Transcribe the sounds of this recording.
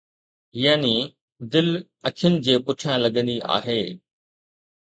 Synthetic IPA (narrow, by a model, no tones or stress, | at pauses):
jaːni | d̪ɪl | ɐkʰjʊnɪ̆d͡ʑeːpʊʈʰijãlɐɡə̃nd̪iʔa̰ːɦeː